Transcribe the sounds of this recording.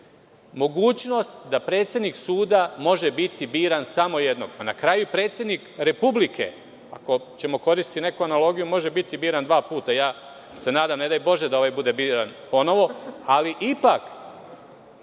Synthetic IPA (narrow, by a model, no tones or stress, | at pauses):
mo̞ɡuːt͡ɕno̞st̪d̪apɾeːt̪sjed̪niksuːd̪amo̞ʒebit̪ibiːɾansamo̞jed̪no̞̰ɡanakɾaːjupɾe̞ːt̪sʲje̞d̪nikɾe̞publike̞̰ | a̰ko̞t͡ɕe̞mo̞ko̞ɾist̪it̪ine̞kuanalo̞ɡijumo̞ʒe̞bit̪ibiːɾand̪ʋaːpuːt̪ajaː | se̞naːd̪amne̞d̪ajbo̞ʒed̪ao̞ʋajbud̪e̞biːɾanpo̞no̞ʋo̞aliʔipak